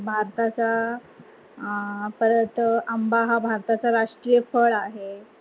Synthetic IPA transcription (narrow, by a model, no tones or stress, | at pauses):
bʱaɾt̪at͡sa | pəɾət̪əmbaɦabʱaɾt̪at͡saɾaʂʈɾijəfəɭaɦe